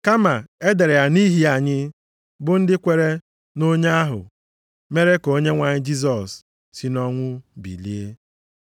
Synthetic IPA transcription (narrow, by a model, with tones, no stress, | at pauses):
ka˦ma˨e˦de˨ɾe˨ja˨ni˦ɦi˨a˨ɲɪ˦ | bʊ˦n̩˦dɪ˦kʷe˨ɾe˦ | no˦ɲa˦a˦ɦʊ̰˨ | me˦ɾe˦ko˦ɲe˦ŋʷa˨ɲɪ˦d͡ʒi˦z̬ɔ˨sː | i˨nɔ˦ŋʷʊ˦bḭ˨li˦e˦